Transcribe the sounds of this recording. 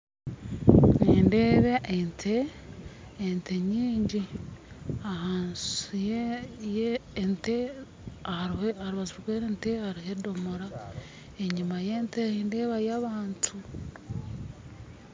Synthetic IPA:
nendeːβeʔentʰeː | nteɲiːɲɟi | ahaːnsujejeːnte | aɾehaɾiβazuɾɡweːɾeːntehaɾihedomoɾa | eɲimajenteendeːβajaβaːntʰu

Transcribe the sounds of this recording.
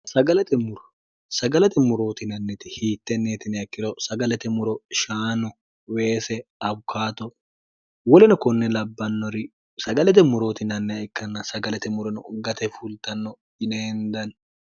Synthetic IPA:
sɐɡɐlɛt̪ɛmʊɾɔ̥ | sɐɡɐlɛt̪ɛmʊɾo̞ːt̪ɪnɐnːɛt̪ɪhiːt̪ːɛneːt̪ɪnɛɐkːɪd̪ɔsɐɡɐlɛt̪ɛmʊɾɔʃaːnɔ | weːsɛɐbkʰaːt̪ɔ | wɔlɛnɔkɔnːɛlɐbːɐnːɔɾɪ | sɐɡɐlɛt̪̬ɛmʊɾo̞ːt̪ɪnɐnːɛɪkːɐnːɐsɐɡɐlɛt̪ɛmʊɾɔnɔʊɡɐt̪ɛfult̪ɐnːɔ | ɪneːnd̪ɐn

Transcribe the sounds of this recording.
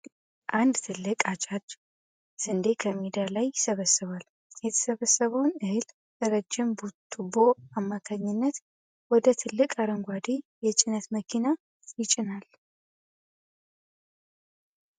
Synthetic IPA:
ʔand̪t̪ʰɨlːɨkʼat͡ʃʼad̪ | sɨnd̪ekʰəmid̪ijalajɪsəβəsɨβal | jɛt̪ʰə̥səβəsːəβəwnɨhɨl | d̪əɾəd͡ʒːɪmbut̪ʰːubo̞amːakʰaɲːɪnːət̪ | wɔd̪ət̪ʰɨlːɨkʼaɾəŋɡʷad̪ijɛt͡ʃʼɪnət̪məkʰina | jɪt͡ʃʼɪnal

